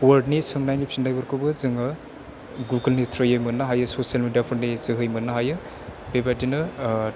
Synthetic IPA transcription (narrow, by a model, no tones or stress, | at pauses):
wɐɾdnisɯŋnajnipʰisindajbɯɾkʰɯbɯzɯŋɯ | ɡuɡɐlnitʰɾɯjɯjmɯnːɐɦajɯsosijalmidjapʰoɾnizɯɦɯjmɯnːɐɦajɯ | b̥ebadinɯ